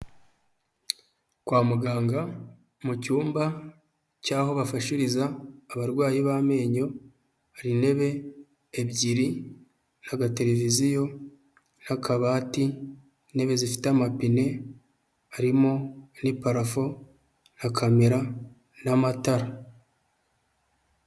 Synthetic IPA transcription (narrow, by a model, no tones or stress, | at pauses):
kwaːmuɡaːŋɡa | mucuːmba | caːho̞βafaʃiɾizaːβaɾɡwaːjiβame̞ːɲo̞ | aɾine̞βe̞ː | bɟiɾi | naɡate̞ɾe̞vizijo̞ | nakʰaβaːti | ne̞βe̞zifi̥teamapine̞ | aɾimo̞nipaɾafo̞ | nakʰameɾa | namataɾa